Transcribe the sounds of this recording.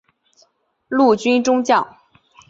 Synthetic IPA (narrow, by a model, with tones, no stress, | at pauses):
lu˥˩t͡ɕy˥nʈ͡ʂʊ˥ŋt͡ɕjɑ˥˩ʊ